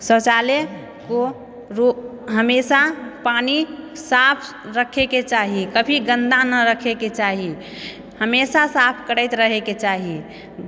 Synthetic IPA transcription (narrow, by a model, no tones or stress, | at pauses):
sət͡ʃale | ko | ɾoɦəmesapanisapʰ | ɾəkʰeket͡ʃaɦikəbʱiɡə̃nd̪anəɾəkʰeket͡ʃaɦi | həmesasapʰkəɽəɪt̪ɾəɦeket͡ʃaɦi